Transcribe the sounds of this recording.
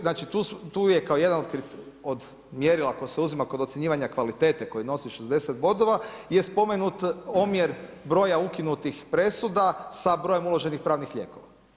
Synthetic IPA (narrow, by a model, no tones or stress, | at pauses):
naːt͡ʃit̪ust̪uːjekao̞jed̪anod̪kɾit̪ | o̞d̪ | mjeɾilˠako̞jiseuzimako̞d̪ot̪sjeɲiːʋaɲakʋalit̪et̪eko̞jno̞siʃezd̪e̞set̪bo̞d̪o̞ʋajespo̞menut̪omjeɾbɾo̞ːjaukinut̪ixpɾe̞sud̪asabɾoje̞mulˠo̞ʒe̞nixpɾaːʋnixʎḛko̞ʋa